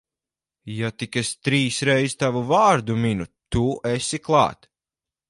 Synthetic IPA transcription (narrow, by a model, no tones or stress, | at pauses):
jat̪ikest̪ɾiːsɾɛjzt̪avuvaːɾd̪uminut̪uʔesiklˠɑ̰ːt̪